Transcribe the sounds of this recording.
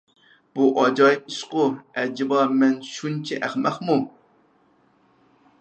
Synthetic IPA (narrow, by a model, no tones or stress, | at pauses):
b̥uʔɑd͡ʒɑjiʃqʊæd͡ʒibɑmɛnʃunt͡ʃʰiʔæχmæqmu